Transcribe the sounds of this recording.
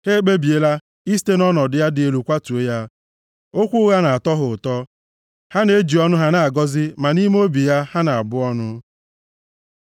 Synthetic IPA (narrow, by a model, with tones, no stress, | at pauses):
he˦k͡pe˦bi˨e˦la˦ | i˦s̬te˦nɔ˦nɔ˨dɪ˦ja˦dɪ˨e˨lu˨kʷa˦tu˨e˦ja˦ | o˦kʷʊ˦ɣa˦na˨a˨tɔ˦ɦʊ˨ʊ˨tɔ˦ | ha˦ne˦d͡ʒi˨ɔ˦nʊ˦ɦa˦na˨a˨ɡɔ˦zɪ˦ma˨ni˦m˦o˦bi˨ja˦ha˦na˨a˨bʊ˦ɔ˦nʊ˦